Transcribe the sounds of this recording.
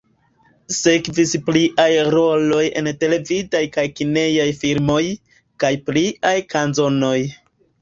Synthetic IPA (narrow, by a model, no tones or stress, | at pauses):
se̞kvispliʔajɾo̞lo̞je̞̰nte̞le̞vidajkajkine̞jajfiɾmo̞j | kajpliajkanzo̞no̞j